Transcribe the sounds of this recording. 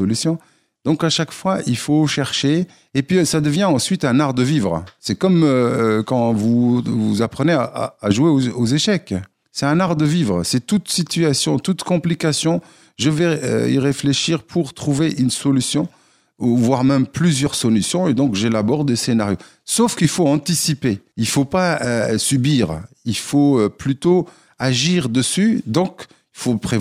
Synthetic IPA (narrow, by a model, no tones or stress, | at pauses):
ɔlysjɔ̃ | d̪ɔ̃kaʃakfwaʔilfoʃɛʁʃeː | pɥisad̪əvjɛ̃ɑ̃sɥit̪ɛ̃naʁd̪əvivʁsɛkɔmøkɑ̃vuvuzapχəneaa̰ːʒueoozeʃɛk | sɛt̪ɛ̃naʁd̪əvivʁəsɛt̪ut̪sit̪yasjɔ̃t̪ut̪kɔ̃plikasjɔ̃ | ʒəvɛə̰ḭʁefleʃiʁpʰuʁt̪χuveʔynsɔlysjɔ̃ | vwaʁmɛmplyzjœʁsɔlysjɔ̃ed̪ɔ̃kʒelabɔʁd̪esenaʁjo | sofkilfoɑ̃t̪isipeilfopaøsybiːʁ | ilfoøplyt̪o | aʒiʁd̪əsyd̪ɔ̃k | ilfopχe